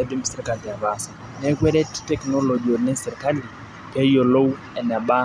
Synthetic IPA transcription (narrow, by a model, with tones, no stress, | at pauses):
ede˦misiɾika˨li˨ja˨ɓa˨sḁ | nekwe˦ɾe˦ti̥tekno˦lo˨d͡ʒione˦seɾika˦li˨ | pʰeio˨lo˦u | ɛ˨na˨ɓa˦